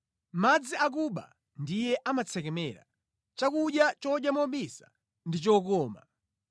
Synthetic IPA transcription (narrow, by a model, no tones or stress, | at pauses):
mad͡ziʔak̬uɓa̰ | ndijɛʔamat͡sʰɛk̬ɛmɛɾa̰ | t͡ʃakuɗjat͡ʃɔɗjamɔɓisḁ̰ | ndit͡ʃɔkɔːma